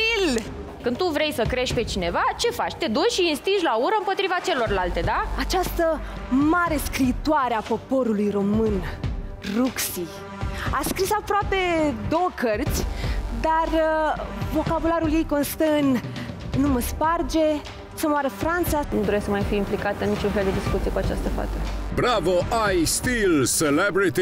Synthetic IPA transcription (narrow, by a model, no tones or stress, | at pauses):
il | kɨn̚t̪uvɾe̞jsəkɾe̞ʃ̚ʲpe̞t͡ʃine̞vat͡ʃe̞fat͡ʃʲt̪e̞d̪ut͡ʃʃiinst̪iʃlauɾəɨmpo̞t̪ɾivat͡ʃe̞lo̞rlalt̪e̞d̪aat͡ʃast̪əmaɾe̞skɾiːt̪uaɾeapo̞po̞ɾulujro̞mɨn | ruksi | askɾisapɾoape̞d̪o̞wəkʰərt̪sʲd̪ar | vo̞kabulaɾulje̞jko̞nst̪əɨnnuməspard͡ʒe̞ | səmoaɾəfɾant̪sanud̪o̞ɾesəmajfiimplikat̪ənːit͡ʃunfeld̪e̞d̪iskut̪siekuat͡ʃa̰st̪əfa̰t̪əbɾavoʔajst̪ilselebɾit̪i